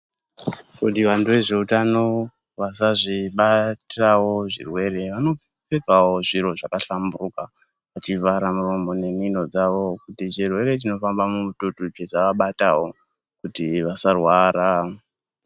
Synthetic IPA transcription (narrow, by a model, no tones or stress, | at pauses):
kutiʋanduʋe̞ʐe̞utano̞ | ʋasaʐiɓatawo̞ʐḭrwe̞ɾe̞ʋano̞ | pekawo̞ʐiɾo̞ʐakaɬamburuka | at͡ʃivaɾamuro̞mo̞ne̞mino̞d͡zaʋo̞kutit͡ʃirwe̞ɾe̞t͡ʃino̞fambamutotut͡ʃeʐaʋaɓatawo̞ | kutiʋasarwaɾa